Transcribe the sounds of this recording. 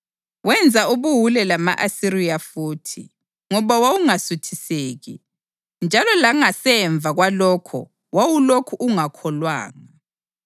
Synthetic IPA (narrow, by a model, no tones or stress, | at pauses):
wɛnd͡zʱaʔuβuɦulɛlama̰ʔasiɾijafuːtʰḭ | ŋɔβawawuŋasutʰiseːɣḭ | nd͡ʒʱalɔlaŋasɛɱb̪vʱaɣwalɔːkʰɔ̰ | wawulokʰuʔuŋakʰɔlwa̰ːŋa